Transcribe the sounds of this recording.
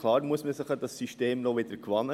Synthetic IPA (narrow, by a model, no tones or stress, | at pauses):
kʰlɑːɾmuəsməsəχədɑsːyʃteːmnɔʋɪd̥əɾkʰʋɑnə